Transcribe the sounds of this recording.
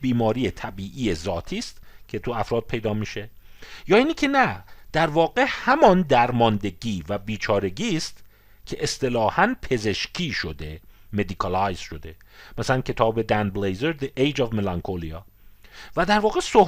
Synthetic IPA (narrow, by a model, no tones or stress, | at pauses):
biːmɒːɾijet̪ʰæbiːʔiːjezɒːt̪ʰiːst̪cʰe̞t̪ʰuæfɾɒːd̪̥̚pʰejd̪ɒːmiːʃe̞ | jɒːiːnicʰe̞næd̪̥æɾvɒːɢe̞hæmɒnd̪æɾmɒːnd̪e̞ɟiːvæbiːt͡ʃʰɒːɾe̞ɟiːst̪ | cʰe̞ʔest̪e̞lɒːhænpʰe̞ze̞ʃcʰiːʃod̪e̞me̞d̪ikʰɑlɒjz̥ʃo̞d̪e̞ | mæsælæncʰe̞t̪ʰɒːbe̞d̪ænblejzeɾd̪eʔejd͡ʒɒvmelɑŋkʰoliɒː | væd̪æɾvɒːɣe̞soh